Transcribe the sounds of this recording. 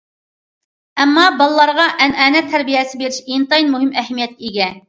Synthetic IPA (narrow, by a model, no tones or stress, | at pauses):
ɛmːɑbɑlˠlˠɑɾʁɑʔɛnæːnɛt̪ʰːæɾbijɛsɪbeɾɪʃint̪ɑjinmuɦɪmɛɦmijɛt̪ʲiɡʲɛ